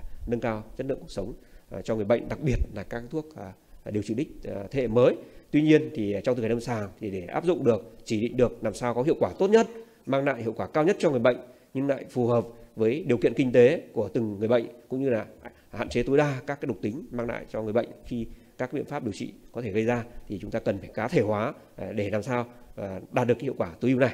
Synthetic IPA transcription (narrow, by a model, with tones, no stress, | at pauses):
nə˧nkaː˧wt͡ɕə˦˥tlɨ̰˧˨əku˨˩ək̚sə˨˦wŋ͡mt͡ɕɔ˧ŋ˨˩əjɓə̰˧˨jŋ̟ɗa˨˩k̚ɓi˨˩ət̚laː˨˩kaː˦˥k̚t̪ʰu˦˥ək̚ːɗi˨˩əwt͡ɕi˧˩ɗï˦˥k̟̚t̪ʰḛ˧˩məː˨˦jt̪wi˧ɲi˧ənt̪ʰi˨˩t͡ɕɔ˧wt̪ɨ˨˩˨a˨˩nə˧msaː˨˧˩wt̪ʰi˨˩ɗe˧˩ʔa̰ː˦˥p̚zʊ̰˧˨ŋ͡mɗɨ˨˩ək̚t͡ɕi˧˩ɗḭ˧˨ŋ̟ɗɨ˨˩ək̚naː˨˩msaː˧wkɔ˨˦ɦḭ˧˨wkwaː˧˩t̪o˦˥t̚ɲə˦˥t̚ | maː˧ŋla̰ː˧˨jhḭ˧˨wkwaː˧˩kaː˧wɲə˦˥t̚t͡ɕɔ˧ŋɨ˨˩əjɓə̰˧˨jŋ̟ | ɲɨ˧ŋla̰ː˧˨jfu˨˩həː˨˩p̚vəː˨˦jɗi˨˩kḭ˧˨ənkï˧ŋ̟t̪e˨˦ku˧˩ət̪ɨ˨˩ŋːɨ˨˩jɓə̰˧˨jŋ̟kʊ̰˧˥ŋ͡mɲɨ˧laː˨˩ | ha̰ː˧˨nt͡ɕe˨˦t̪o˨˦jɗaː˧kaː˦˥k̚a˨˦jɗʊ˨˩k͡p̚t̪ï˨˦ŋ̟maː˧ŋla̰ː˧˨jt͡ɕɔ˧ŋɨ˨˩əjɓə̰˧˨jŋ̟xi˧kaː˦˥k̚ɓḭ˧˨ənfaː˦˥p̚ɗi˨˩əwt͡ɕḭ˧˨kɔ˨˦t̪ʰe˧˩ɣə˧jzaː˧t̪ʰi˨˩t͡ɕʊ˨˦ŋ͡mt̪aː˧kə˨˩nfaː˧˩jkaː˨˦t̪ʰe˧˩hwaː˨˦ | ɗe˧˩laː˨˩msaː˧wɗaː˨˩t̚ɨ˨˩ək̚hi˧əwkwaː˧˩t̪ɨ˨˦ʔi˧wna˨˩j